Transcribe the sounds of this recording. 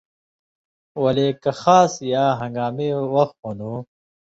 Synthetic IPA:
wɐleːkɐxaːsjaːɦɐ̃ŋɡaːmewɐxt̪honuː

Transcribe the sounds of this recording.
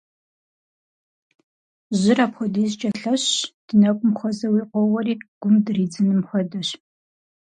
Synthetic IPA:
ʑɪraːpχʷɔdizt͡ʃʼɐɬɐɕd̥ɨnɐkʷʼʊmxʷɔzɐwiːqʷɔwɔriːɡ̥ʷʊmdɨriːd͡zɨnɨmχʷɔdɐɕ

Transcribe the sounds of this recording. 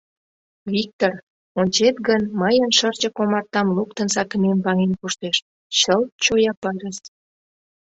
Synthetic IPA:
vik̚t̪or | onʲt͡ɕet̪ɡənməjənʃərt͡ɕəkomɑrt̪ɑmlukt̪ənsɑkəmembɑŋenkuʃt̪eʃ | ɕəlt͡ɕojɑpɑɾʲəs

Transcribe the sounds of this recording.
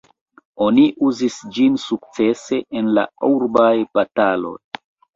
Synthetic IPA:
oniʔuzisd͡ʒinsuk̚t͡se̞se̞ʔenla̰uɾbajbatalo̞̰j

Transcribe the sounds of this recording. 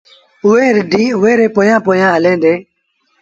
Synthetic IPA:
ʊeːɾɪɖiːʊʋeːɾeːpoːjãːpoːjãːɦəlẽːd̪eː

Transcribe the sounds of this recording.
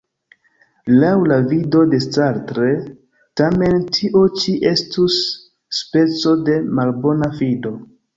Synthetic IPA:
lawlavido̞de̞st͡saɾtɾe | tame̞ntʰiʔo̞t͡ʃiʔe̞stusː | pe̞t͡so̞de̞malbo̞nafido̞

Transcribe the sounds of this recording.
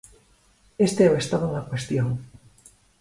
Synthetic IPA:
est̪eaest̪aðonakwest̪joŋ

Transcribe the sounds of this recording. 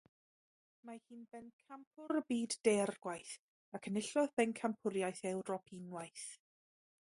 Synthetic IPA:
mahiːnbɛnkʰampʰʊɾəbiːdːɛrɡwajθ | akʰənɪɬɔðbɛnkʰampʰʊɾjajθɛwɾɔpʰinwajθ

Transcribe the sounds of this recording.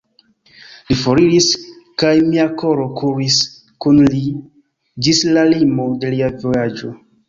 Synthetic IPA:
lifoɾiɾiskajmiakoɾo̞kʰuwis | kunli | d͡ʒislalimode̞liavojad͡ʒo

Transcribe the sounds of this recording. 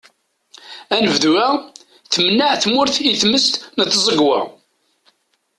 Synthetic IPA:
ænəvðwæ | θmənːəʕθmʊɾθiθməst̪nət̪ːzˤəɡwa̰

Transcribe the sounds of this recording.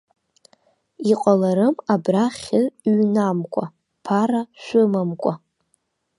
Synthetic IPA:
iqʼalaɾɨmabraχʲɪɥnamkʷʼa | pʰaɾaʃʷʊmamkʷʼa

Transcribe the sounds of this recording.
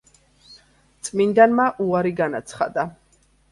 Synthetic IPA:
t̪sʼmind̪anmaʔuaɾiɡanat̪sʰχa̰d̪a

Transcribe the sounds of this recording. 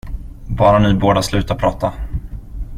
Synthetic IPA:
bɑːɾanɪboːɖ̪aslʉ̟ːt̪apʰɾɑːt̪a

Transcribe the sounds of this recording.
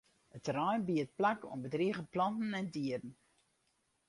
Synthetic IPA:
ətərɔjnbiət̚plako̰nbədriəɣəplɔntn̩ɛndiədn̩

